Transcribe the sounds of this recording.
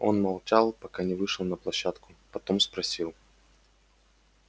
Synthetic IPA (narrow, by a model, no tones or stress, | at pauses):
o̞nmɐlˠt͡ɕalˠpɐkanʲɪvɨʂɨlˠnəplˠɐɕːat̪kʊpɐt̪o̞mspɾɐsʲilˠ